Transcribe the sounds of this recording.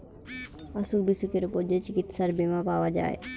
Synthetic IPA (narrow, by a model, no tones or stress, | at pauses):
aʃuk̚bisukeɾupoɾd͡ʑet͡ɕikit̪ʃaɾbemapaoad͡ʑa̰e